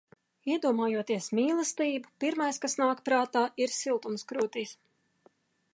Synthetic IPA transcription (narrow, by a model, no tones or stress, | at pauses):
iɛd̪uɔmaːjuɔt̪iɛsmiːlˠɐst̪iːbupiɾmajskasnaːkpɾaːt̪aːiɾsilˠt̪umskɾuːt̪iːs